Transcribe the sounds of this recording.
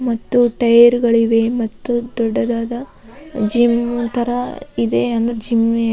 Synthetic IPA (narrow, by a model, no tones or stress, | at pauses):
mɐt̪ːuʈɐjɐɾɡɐɭiʋemɐt̪ːud̪ɔɖːɐd̪aːd̪ɐ | d͡ʒimt̪ʰɐɾɐid̪eɐnd̪ɐɾed͡ʒim